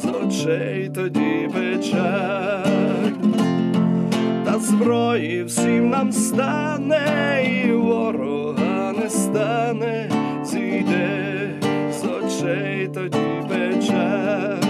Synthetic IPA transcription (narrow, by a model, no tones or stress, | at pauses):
zɔt͡ʃɛjt̪ɔd͡ʑivɛt͡ʃa | t̪azbɾɔjifsimnamst̪a | nɛiwɔɾɔ | anɛst̪anɛ | zid̪ɛ | zɔt͡ʃɛ | jt̪ɔd͡ʑivɛt͡ʃa